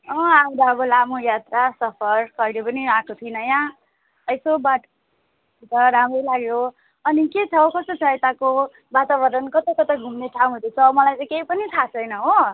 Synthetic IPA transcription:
ʌ̃aũd̪aʌbʌlamojat̪rasʌpʰʌɾkʌilepʌniaʈʰot̪ʰinʌjã | ʌjsobaʈʰ | it̪ʌɾamʌjlaɡjo | ʌniket͡sʰʌɦokʌst̪ot͡sʰʌjt̪ako | bat̪abʌɾʌnkʌt̪ʌk̪ʌt̪ʌɡʱumneʈʰãw̃ɦod̪et͡sʰʌmʌlajt͡sʌ̃j̃keipʌnit̪ʰat͡sʰʌjnʌɦo

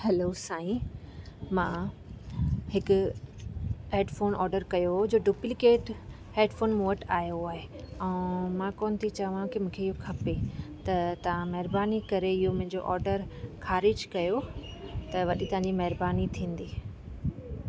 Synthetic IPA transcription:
hɛloːsaːĩ | mã | hɪkʊ | ɦeːɖfoːnɔːɾɖəɾkɐjoɦod͡ʑoːɖuːplɪkeːʈ | heːɖfoːnmuəʈaːjoaːɦe | ɛ̃ːmãkɔːnt̪ʰit͡ɕɐʋãkimũːkʰeɪɦokʰɐpet̪ɐt̪ɐʋ̤ãmɐɦɪɾbaːnikɐɾeɪɦomʊ̃ɦɪ̃ɲd͡ʑo̰ʔɔːɾɖəɾxʰaːɾɪd͡ʑkɐjot̪ɐʋɐɗit̪ɐʋ̤ãɲd͡ʑimɐɦɪɾbaːnit̪ʰĩːn̆d̪iː

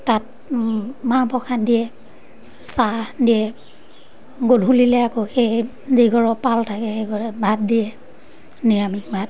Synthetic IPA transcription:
tat̚ | mapɔkʰandijɛ | sadijɛ | ɡodʱulilɛakɔxej | ziɡɔɹɔpaltʰakɛeɡɔɹɛbʱat̚dijɛ | niɹamik̚bʱat̚

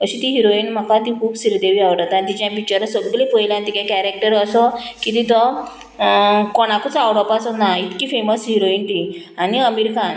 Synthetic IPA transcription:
kəɕit̪iɦiɾoinm̤akat̪ikʰuːbsiɾd̪eʋiaʋɽat̪at̪id͡ʑãpik̚t͡ɕəɾasəɡɡlĩpəjlãnt̪ikakæɾek̚ʈəɾəsɔkit̪it̪ɔ | kɔɽakut͡sawɽɔpasɔnait̪kiːfeməsɦiɾoint̪ianiəmiɾkan

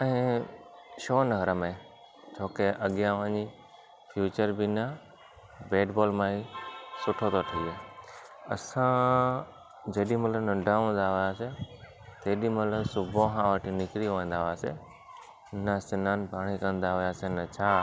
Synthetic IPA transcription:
ɛ̃ː | ʃoːnɐɡʱəɾəmẽ | t͡ɕʰoːkeʔɐɠjãʋɐ̃ɦɲd͡ʑi | fjuːt͡ɕəɾbɪnɐ | beːɖbɔːlmãːisʊʈʰot̪oʈʰiiːe | ɐ̰sã | d͡ʑɐɗĩmɐt̪ləbnɐ̃ɖʱaə̃ːn̆d̪aɦʊjaːse | t̪eːɗĩmɐt̪ləbsʊbʱõɦãʋəʈʰinɪkɾijoʋə̃nd̪aɦʊaːse | nɐsɪnaːnɪ̆bʱaːɽ̃ikɐ̃nd̪aɦʊjaːsenɐt͡ɕʰaː

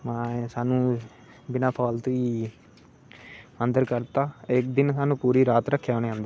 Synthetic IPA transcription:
mɛ̃ːsaːnũː | bɪnaːpʰaːlt̪uiː | ə̃nd̪əɾkəɾt̪aːɪkd̪ɪnsaːnũːpuːɾiːɾaːt̪ɾəkʰːjoːñeːɦãːnd̪aː

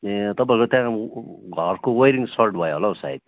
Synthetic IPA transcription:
t̪ʌp̬ãiɾkot̪jãɡʱʌrkowejɾiŋsʌlʈbʱʌjoɦolasa̰ḭd̪̚

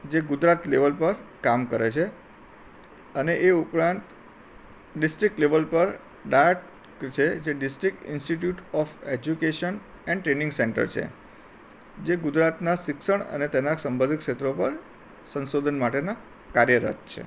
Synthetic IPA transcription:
d͡ʒeɡʊd͡ʒɾat̪leʋəlpəɾkamkəɾet͡ʃʰe | əneʔeupɾãnt̪ | ɖɪsʈɾik̚ʈleʋəlpəɾ | ɖaʈ | t͡ʃʰed͡ʒeɖɪsʈɾik̚ʈɪ̰nsʈiʈ̬juʈɔfed͡ʒukeʃən | ɛ̃ɳɖʈɾenɪŋɡseɳʈə̰ɾt͡ʃʰḛ | d͡ʒeɡʊd͡ʒɾat̪nasɪksəɳə̰net̪ɛnaksəmbʱəd̪ikʃet̪ɾopəɾ | sənsod̪ʱənmaʈena | kaɾjəɾə̰t̪̚t͡ʃʰḛ

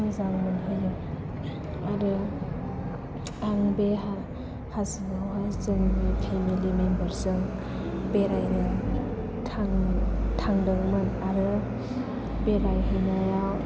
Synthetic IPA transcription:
ɯzammɯnɦelɯ | aɾɯ | aŋbeɦa | hasɯɡawɦajzɯŋbepʰemilimembəɾsɯŋ | beɾajnɯ | tʰaŋtʰaŋdɯŋmɯnaɾɯ | beɾajɦinajaw

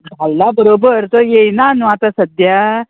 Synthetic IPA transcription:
ɡʱalːabəɾobəɾt̪ojejnanũat̪asəd̪ja

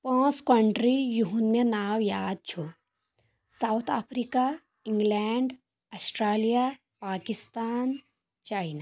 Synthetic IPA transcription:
pɔ̃ːskəɳɖɾijuɦunmẽnaːwjaːd̪̚t͡ʃʰu | saːwt̪ʰapʰɾiːka | ɪ̃ŋɡlɛːɳɖ | ɐsʈɾaːlija | paːkɪst̪aːn | t͡ʃaːɪnaː

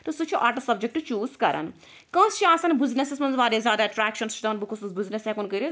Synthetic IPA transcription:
t̪usut͡ʃʰuʔaːɾʈəsɐbd͡ʒɪk̚ʈt͡ʃuːzkɐɾə̰n | kɐ̃ːst͡ʃʰiãːsɐnbɪznesɪsmɐnzʋaːɾeːzʲjaːd̪aːʈɾæːkʃənst͡ʃd̪ɐnbɪkʰʊsuːsbɪznesɛ̃ːkonkəɾe

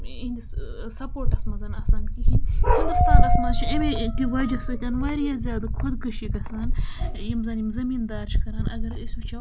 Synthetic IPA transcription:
inʲd̪ʲisɐpoːɾʈɐsmɐzɐnɐsaːnkiɦihind̪ust̪aːnɐsmɐzt͡ʃʰiemet̪iʋad͡ʒɐsɐt̪ʲaːnʋaɾjazʲjaːd̪ɐkʰod̪kɐʃikɐsaːnjimzɐːnjimzɐmind̪aːɾt͡ʃʰkɐɾɐːnʔɐ̰ɡɐɾɐsʲut͡ʃʰɐ

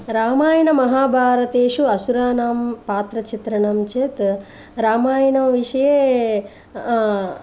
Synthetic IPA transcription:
ɾaːmaːjɐnɐmɐɦaːbʱaːɾɐt̪eːʃuɐsuɾaːnaːmpaːt̪ɾɐt͡ʃit̪ɾɐɳɐmt͡ʃet̪ | ɾaːmaːjɐnɐmʋiʂɐjeː

